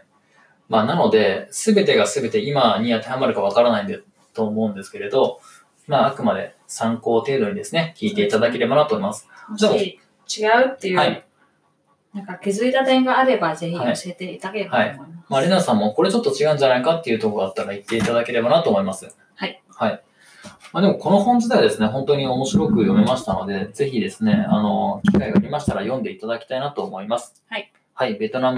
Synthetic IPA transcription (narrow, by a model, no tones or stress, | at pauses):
maːnano̞d̪e̞sɨbe̞t̪e̞ɡasɨbe̞t̪e̞imaɲ̟iat̪ahamaɾɯ̟kaβ̞akaɾanaĩnd̪e | t̪o̞ːmo̞ɯ̟̃nd̪e̞sɨ̥ke̞ɾe̞d̪o̞ | maːakɯ̟mad̪e̞̰ | sãŋko̞ːt̪e̞ːd̪o̞ɲ̟id̪e̞sɨne̞kʲiːt̪e̞it̪ad̪ake̞ɾe̞banat̪omimasɨ̥ai | t͡ɕiɡaɯ̟t̪ːe̞jɯhai | nãŋkakezɨit̪at̪ẽ̞ŋɡaːɾe̞baze̞çiaɕiet̪e̞it̪akehaimimamaɾʲinasãmːo̞ko̞ɾe̞t͡ɕo̞t̪ːo̞t͡ɕiɡaɯ̟ɲd͡ʑanaikat̪ːe̞jɯ̟t̪o̞koɾat̪ːaɾait̪ːe̞it̪ad̪ake̞ɾe̞banat̪o̞ːmoimasɨ | hai | hai | mad̪e̞mo̞ko̞no̞hõ̞ɲ̟d͡ʑid̪aad̪e̞sɨne̞ɦõ̞nt̪o̞ɲ̟io̞mo̞ɕiɾo̞kɯ̟jo̞memaɕi̥t̪ano̞̰d̪e̞d͡ze̞çid̪e̞sɨne̞a̰no̞kʲi̥kaiɡaːɾʲimaɕi̥t̪aɾajõ̞nd̪e̞it̪ad̪akʲi̥t̪ainat̪o̞ːmo̞imasɨ̥hai | haibe̞t̪o̞nam